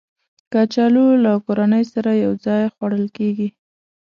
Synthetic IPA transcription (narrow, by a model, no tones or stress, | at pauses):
kɑt͡ʃɑlolakoɾanəjsaɾajawd͡zɑjxwaɽəlkeɡi